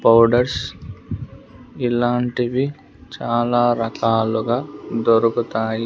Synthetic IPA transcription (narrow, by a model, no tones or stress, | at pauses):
pɐwɖɐɾs | ilaːɳʈiʋi | t͡ʃaːlaːɾɐkaːluɡaːd̪oɾukut̪aːji